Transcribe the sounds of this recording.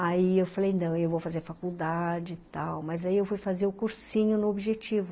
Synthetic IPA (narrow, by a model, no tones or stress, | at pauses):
aiewfalejnɐ̃w̃ewvowfazeɾfakuwd̪ad͡ʒɪt̪awmɐzaiewfujfazeɾʊkuɾsĩɲʊnʊobiʒet͡ʃivʊ